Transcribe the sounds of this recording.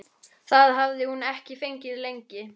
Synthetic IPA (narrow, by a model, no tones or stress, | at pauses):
θaðɦavðɪhunɛhcɪfejɲcɪðlejɲcɪ